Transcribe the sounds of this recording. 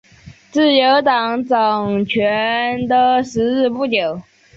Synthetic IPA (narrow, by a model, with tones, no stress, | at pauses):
t͡sɹ̩˥˩jo˧˥ʊt̪ɑ˨˩ŋʈ͡ʂɑ˨˩ŋt͡ɕʰɥɛ˧˥nd̪ə˧ʂɻ̩˧˥ɻɻ̩˥˧pu˥˩t͡ɕjo˨˩˦ʊ